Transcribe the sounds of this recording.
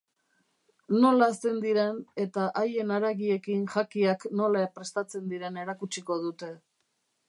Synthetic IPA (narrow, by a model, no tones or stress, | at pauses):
no̞laːst̪e̞nd̪iɾe̞ne̞t̪aʔaje̞naɾaɣie̞kinʝakiakno̞laepɾe̞st̪at͡se̞nd̪iɾe̞ne̞ɾakut͡ʃiko̞ð̞ut̪e̞